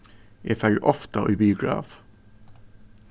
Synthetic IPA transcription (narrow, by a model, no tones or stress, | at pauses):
jæːfœlʔɔft̪ɑʔiːbiːʊɡɹɑ̰ːf